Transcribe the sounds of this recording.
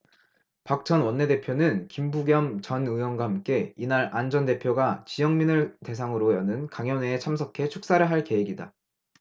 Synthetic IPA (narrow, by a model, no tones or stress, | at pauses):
pak̚t͡ɕ͈ʌnwʌnːe̞de̞pʰjonɯnkimbuɡjʌmt͡ɕʌnɯwʌnɡwahamk͈e̞inaɾand͡ʑʌnde̞pʰjoɡat͡ɕijʌŋminɯɭte̞sʰaŋɯɾojʌnɯnkaŋjʌnet͡ɕʰamsʰʌkʰe̞t͡ɕʰuk̚s͈aɾɯɭɦaɭke̞weɡida̰